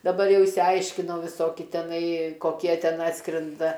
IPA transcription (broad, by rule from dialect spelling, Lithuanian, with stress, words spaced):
dɐˈbɐr ˈjɛʊ ɪʃʲsʲɪˈɐɪʃʲkʲɪnɐʊ ʋʲɪˈsoːkʲɪ tʲɛˈnɐɪ koːˈkʲiɛ ˈtʲɛn ˈɑːtskrʲɛndɐ